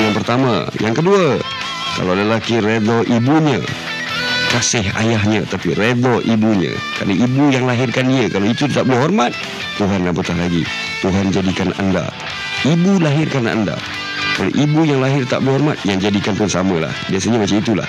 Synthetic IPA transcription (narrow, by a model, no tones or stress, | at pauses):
jaŋpərt̪ama̰jaŋkədua | ka̰lowalalakired̪ɔʔibuɲə̰ | kasɪɦa̰jaɦɲat̪apired̪ɔʔibuɲə̰ | kɾa̰naibujaŋlaɦɪrkaniəkaloit̪ut̪t̪aʔbəliɦɔrmat̪̚ː | uɦanːabət̪ahlaɡi | t̪uɦand͡ʒadikana̰nda̰ | ibulaɦɪrkana̰nda̰ | kalo̰ʔibujaŋlaɦɪrt̪aʔbəliɦɔrmat̪̚jaŋd͡ʒadikant̪uansamala̰hbiasaɲabat͡ʃait̪ula̰h